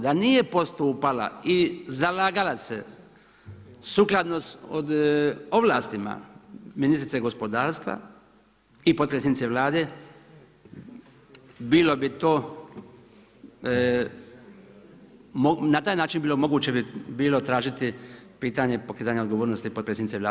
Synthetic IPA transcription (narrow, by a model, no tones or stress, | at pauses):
d̪anijepo̞st̪uːpala̰izalaːɡalase | suklad̪nosod̪oʋlaːst̪ima̰minist̪ɾit̪seɡo̞spo̞d̪aːɾst̪ʋa̰ | ipot̪pɾesenit̪eʋlaːd̪e̞ | biːlo̞bit̪o̞ː | monat̪aːjnaːt͡ʃinbiːlomo̞ɡuːt͡ɕebibiːlo̞t̪ɾaːʒit̪ipiːt̪aɲe̞po̞kɾeːt̪aɲaod̪ɡo̞ʋoːɾnost̪ipot̪pɾesenit̪elaː